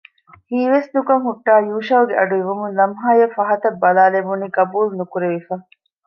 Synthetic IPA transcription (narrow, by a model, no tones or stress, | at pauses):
hiːʋesnukɐŋɦuʈːaːjuːʃɐːɡeɐɖuiʋumunlɐmɦaːjɐfɐɦɐt̪ɐbːɐlaːlebunikɐbuːlnukuɾeʋifɐ